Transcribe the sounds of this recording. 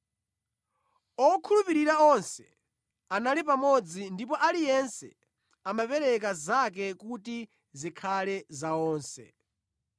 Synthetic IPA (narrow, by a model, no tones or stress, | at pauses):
ɔkʰulupiɾiɾaɔnsɛ̰ | analipamɔd͡zindipɔʔalijɛnsɛ̰ | amapɛɾɛk̬azak̬ɛkuti | zikʰalɛzaɔːnsɛ̰